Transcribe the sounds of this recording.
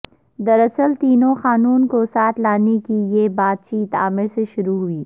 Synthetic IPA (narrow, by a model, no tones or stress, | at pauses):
d̪ɐɾɐsəlt̪iːnõxaːnuːnkosaːt̪ʰlaːnekijeːbaːd̪̚t͡ʃiːt̪a̰ːmɪɾseʃʊɾuɦʊiː